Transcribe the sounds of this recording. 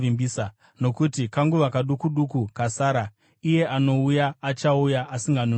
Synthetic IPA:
imbisa | no̞kutikaŋɡuʋakaɗukuɗukukasaːɾa | ije̞ʔano̞ujaːt͡ʃaujaʔːsiŋɡanu

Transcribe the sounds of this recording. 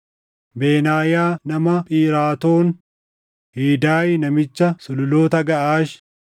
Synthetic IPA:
beːnaːjaːnɐmɐpʼiːɾaːt̪oːn | hiːd̪aːjnɐmɪt͡ʃːɐsʊlʊloːt̪ɐɡɐʔaːʃ

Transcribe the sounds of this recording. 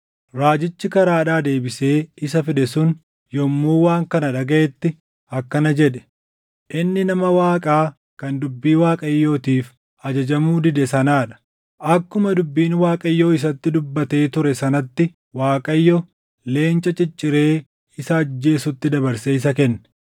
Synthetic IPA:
ɾaːd͡ʒɪt͡ʃːɪkɐɾaːᶑaːd̪e̞ːbɪse̞ːɪsɐfɪd̪ɛsʊn | jɔmːuːwaːŋkɐnɐᶑɐɡɐʔɛt̪ːɪ | ɐkːɐnɐd͡ʒɛᶑɛ̥ | ʔɪnːɪnɐmɐwaːkʼaː | kɐnd̪ʊbːiːwaːkʼɐjːo̞ːt̪iːf | ɐd͡ʒɐd͡ʒɐmuːd̪ɪd̪ɛsɐnaːᶑɐ̥ | ʔɐkːʊmɐd̪ʊbːiːnwaːkʼɐjːoːɪs̬ɐt̪ːɪd̪ʊbːɐt̪e̞ːt̪ʊɾɛsɐnɐt̪ːɪ | waːkʼɐjːɔ | le̞ːnt͡ʃʼɐt͡ʃʼɪt͡ʃʼːɪɾe̞ː | ɪsɐːd͡ʒːe̞ːsʊt̪ːɪd̪ɐbɐɾseɪs̬ɐkɛnːɛ̥

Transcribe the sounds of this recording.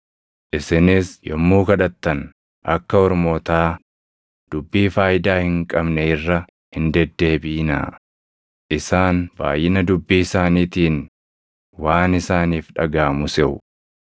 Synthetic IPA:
ʔɪsɪnɪsjɔmːuːkɐᶑɐt̪ːɐn | ʔɐkːɐɔɾmo̞ːt̪aː | d̪̥ʊbːiːfaːjɪd̪aːhɪŋkʼɐbnɛɪrːɐ | hɪnd̪ɛd̪ːe̞ːbiːna̰ː | ʔɪsaːnba̰ːjːɪnɐd̪ʊbːiːɪsaːniːt̪iːn | waːnɪsaːniːfᶑɐ̰ɡaːmʊsɛʔʊ

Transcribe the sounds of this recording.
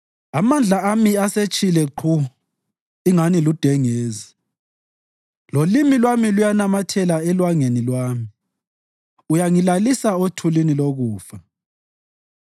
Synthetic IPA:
amand͡ɮʱaamiaset͡ʃʼilɛǃʰu | iŋanilud̥ʱɛŋeːzi | lolimilwamilujanamatʰɛlaɛlwaŋenilwaːmi | ujaŋilalisaotʰuliniloɣuːfa

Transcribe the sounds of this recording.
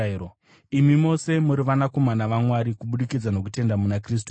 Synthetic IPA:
o | imimo̞se̞muɾiʋanako̞manaʋamwaɾikuɓuɗikid͡zano̞k̬ute̞ndamunakriːs̬tu

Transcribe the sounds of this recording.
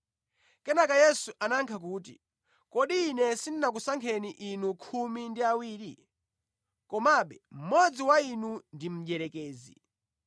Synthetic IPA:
kɛnakajɛsuʔanaŋkʰak̬uːt̬ḭ | kɔɗiːnɛsinnak̬usaŋkʰɛniʔinukʰumindiawiːɾi | kɔmaɓɛm̩mɔd͡ziwainundim̩ʄɛɾɛkɛːzḭ

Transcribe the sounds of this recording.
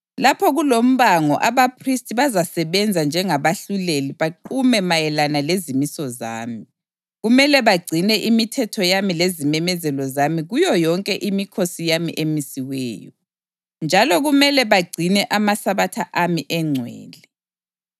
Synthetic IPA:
lapʰɔɣulom̩βaŋɔʔaβapʰristʼiβazasɛβɛnd͡zʱand͡ʒʱɛŋaβaɬuleliβaǃumɛmajɛlanalezimisɔza̰ːmi | ɣumɛlɛβaɡ͡ǀʱinɛʔimitʰɛtʰɔjamilezimɛmɛzɛlɔzamiɣujɔjɔŋkʼɛʔimikʰosijamḭʔemisiwɛ̰ːjɔ | nd͡ʒʱalɔɣumɛlɛβaɡ͡ǀʱinɛʔamasaβatʰaʔamiʔɛŋ͡ǀʱwɛ̰ːlɛ

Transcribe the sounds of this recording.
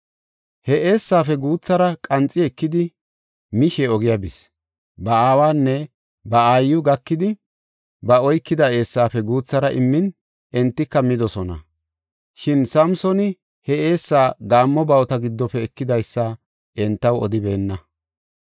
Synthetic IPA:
hɛʔeːsːaːfɛɡuːt͡sːɐɾɐkʼɐnt͡sʼːɪɛkːɪd̪ɪ | mɪʃɛɔɡɪjɐbɪs | bɐaːwaːnːɛ | bɐaːjːʊɡɐkːɪd̪ɪ | bɐɔjkːɪd̪ɐeːsːaːfɛɡuːt͡sːɐɾɐʔɪmːɪn | ɛnt̪ːɪkːɐmɪd̪ɔsɔnɐ̰ | ʃɪnsɐmsɔnɪ | hɛe̞ːsːaːɡaːmːɔbɐwt̪ɐɡɪd̪ːɔpːɛɛkːɪd̪ɐjsːa | ɛnt̪ːɐwɔd̪ɪbe̞ːnːɐ

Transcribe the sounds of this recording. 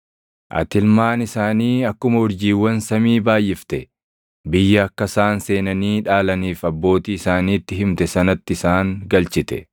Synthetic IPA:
ʔɐ̰t̪ɪlmaːnɪsaːniːɐkːʊmɐʊɾd͡ʒiːwːɐnsɐmiːbaːjʔɪft̪ɛ | bɪjːɐːkːɐsaːnse̞ːnɐniːᶑaːlɐniːfɐbːo̞ːt̪iːɪsaːniːt̪ːɪɦɪmt̪ɛsɐnɐt̪ːɪɪsaːŋɡɐlt͡ʃɪt̪ɛ̰

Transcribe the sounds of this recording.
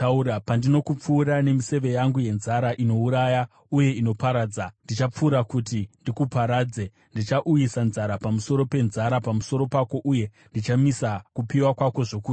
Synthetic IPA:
auɾapandino̞kup͡fuːɾane̞mise̞ʋe̞jaŋɡuje̞nzaɾaʔino̞uɾaja | uje̞ino̞paɾaːd͡zandit͡ʃap͡fuːɾakutindikupaɾaːd͡ze | ndit͡ʃaʔujisanzaɾapamuso̞ɾo̞pe̞nzaɾapamuso̞ɾo̞pako̞ʔuje̞ | ndit͡ʃamisakupiwakwako̞ʐo̞kuː

